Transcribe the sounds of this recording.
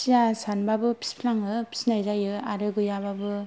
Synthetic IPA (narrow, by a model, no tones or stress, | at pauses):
sijasanbabɯpʰi̥spʰlaŋɯpʰi̥snajzajɯaɾɯɡɯjaβabɯ